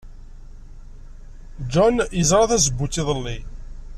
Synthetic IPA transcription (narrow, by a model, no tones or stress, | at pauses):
d͡ʒɔnjəzˤɾˤɑθæsəbːutːɪðˤəlːi